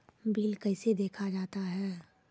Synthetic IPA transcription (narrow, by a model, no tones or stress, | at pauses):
biːlkɛɪsed̪eːkʰad͡ʒaːt̪aɦɛː